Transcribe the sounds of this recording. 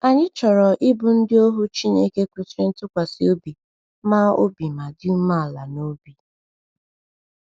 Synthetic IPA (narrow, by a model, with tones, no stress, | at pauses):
a˨ɲɪ˦t͡ʃɔ˨ɾɔ˨ʔɪ˦bʊ˨n̩˦dɪ˦o˦ɦʊ˦t͡ʃi˦ɲe˦ke˦kʷu˦sɾɪ˦n̩˦tʊ˦kʷa˨si˨o˦bi˨ | maː˦o̰˦bi˨ma˨dɪ˦u˦ma˦a˨la̰˨no˦bi˨